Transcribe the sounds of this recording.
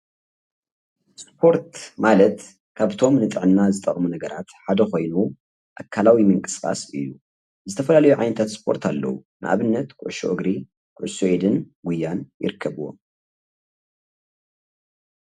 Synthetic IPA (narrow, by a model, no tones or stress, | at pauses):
spʰo̞ɾt̪malɐt̪ | kʰaβt̪ʰo̞mnɨt̪ʼɨʕɨnːazɨt̪ʼɐχʼmunɐɡɐɾat̪ħad̪ɐko̞jnu | ʔakʰːalawimɨŋkʼɨskʼa̰sɨ̰jːu | zɨt̪ʰɐfɐlalɐjuʕajnɐt̪ʰat̪spʰo̞ɾt̪ʰalːɐ̰wṵnɨʔa̰βɨnːɐt̪kʰʊ̰ʕʃo̰ʔɨɡɾi | kʰʊʕʊʃoʔid̪ɨnɡʊjːanjɪ̰ɾɨkʰːɐβuwo̰m